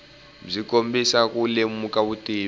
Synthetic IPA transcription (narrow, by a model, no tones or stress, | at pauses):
b͡ʐikombisakulemukaβutiː